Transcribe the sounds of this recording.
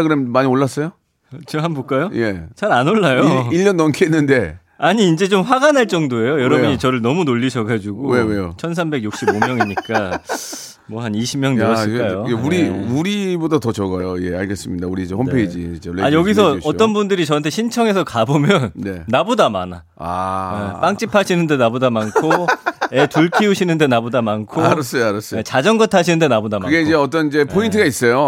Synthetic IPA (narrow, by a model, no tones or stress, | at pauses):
aɡɯɾemmaɲioɭːas͈ʌjo | t͡ɕiɦanbok͈ajoje̞t͡ɕaɾanoɭːajoiʎːʌnːʌmkʰienːɯnde̞ | aɲiːnd͡ʑe̞t͡ɕomɸwaɡanɦaɭt͡ɕ͈ʌŋdoe̞jojʌɾʌbuɲit͡ɕʌɾɯɭnʌmunoʎːiɕʰʌɡad͡ʑuɡojewejot͡ɕʰʌns̬ʰambe̞ɡjuk̚ɕ͈ibomjʌŋimɲik͈a | mwʌhaniɕʰimɲjʌŋnɯʌs͈ɭk͈ajoeuɾiuɾibodatʌt͡ɕʌɡajoije̞aɭɡes͈ɯmɲidauɾid͡ʑehompʰeid͡ʑid͡ʑeeajʌɡis̬ʰʌʌtt͈ʌnbundɯɾit͡ɕʌantʰeɕʰint͡ɕʰʌŋe̞sʰʌkabomjʌnneːabodamana | a̰ep͈aŋt͡ɕ͈ipʰaɕʰinɯnde̞nabodamankʰoetuɭkʰiuɕʰinɯnde̞nabodamankʰoɾs͈ʌjaɾʌs͈et͡ɕad͡ʑʌŋɡʌtʰaɕ̬ʰinɯnde̞nabodamkaɯɡe̞id͡ʑeʌt͈ʌnid͡ʑe̞pʰointʰɯɡais͈ʌjo